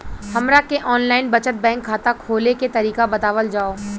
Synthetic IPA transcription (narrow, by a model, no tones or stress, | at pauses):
hɐmɾakeʔɔːnlaːɪnbɐt͡ʃət̪̚bɛ̃ːŋkʰːaːt̪akʰːoːleket̪ɐɾiːkabɐt̪aːʋəld͡ʒaːoː